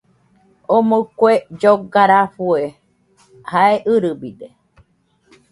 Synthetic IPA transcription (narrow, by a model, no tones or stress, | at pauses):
omokʷed͡ʒoɡaɾaɸue | haeʔɨɾɨbid̪e